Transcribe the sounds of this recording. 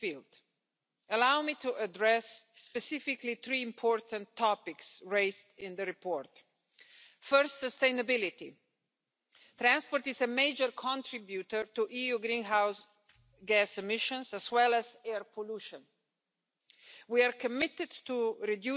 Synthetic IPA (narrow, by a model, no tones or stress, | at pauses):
fild | əlawmitʰuʔədɹɛsːpɛsɪfɪkliθɹiɪ̃mpʰɔɹtə̃ntʰːɔpɪksɹeɪzdɪ̃nðəɾipʰɔɹt | fɜɹstsəstẽɪ̃nəbɪlɪti | t̪ɾæ̃nspɔɾtɪzəmeɪd͡ʒəɹkʰɔ̃ntʰɹɪbjutə˞tuʔiuɡɾĩnɦaʊs | ɡæsɛmɪʃə̃nsæzwɛləzɛɹpʰɔluʃə̃n | wiaɹkʰəmɪtɨdtuɹidju